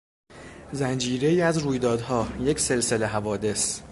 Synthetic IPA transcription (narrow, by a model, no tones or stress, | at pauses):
zænd͡ʒiːɾe̞iːæzɾuːjd̪ɒːd̪ɦɒːje̞cʰse̞lse̞le̞ɦævɒːd̪e̞s